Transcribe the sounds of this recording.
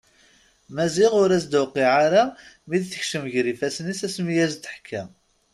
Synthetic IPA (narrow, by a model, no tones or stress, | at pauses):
mæziʁʊɾæsd̪wqːiʕaɾamid̪θə̥çʃəmʝɾifæsnisæsmijæzt̪ːə̥ħkʰːæm